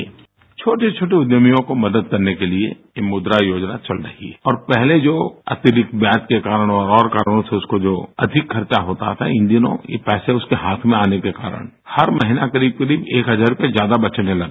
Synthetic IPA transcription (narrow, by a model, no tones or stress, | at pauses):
t͡ʃʰoːʈet͡ʃʰoːʈeʊd̪jəmijõkomɐd̪əd̪̚kɐɾnekeliḛjemʊd̪ɾajoːd͡ʒnat͡ʃɐlɾɐ̰ɦḭɦɛ̰ɔːɾpɛɦled͡ʒoːɐ̰t̪ɪɾɪkbjãːt͡ʃkekaːɾəɽ̃ɔːɾɔːɾkaːɾəɽ̃õseʊskod͡ʒoːɐ̰d̪ʱɪkkʰɐɾt͡ʃaɦoːt̪a̰t̪ʰa̰ɪ̃nd̪inõ̰jḛpɛːseʊskeɦaːt̪ʰmẽaːnekeka̰ːɾə̰ɽ̃ | hɐɾmɐɦɪnakɐɾiːb̚kɐɾiːbeːkɦɐzaːɾʊpjezjaːd̪abɐtːʃənẽlɐɡ